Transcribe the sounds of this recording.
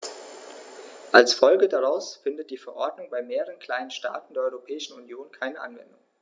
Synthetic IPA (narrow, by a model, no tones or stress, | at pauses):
ʔalsfɔlɡədaʁaʊsfɪndət̚d̥iːfɛɐʔɔɐdnʊŋbaɪmeːʁəʁənkʰl̥aɪnənʃta̰ːtn̩deːɐɔʏʁopʰɛːɪʃn̩unjoːnkʰaɪnəʔa̰nvɛ̰ndʊŋ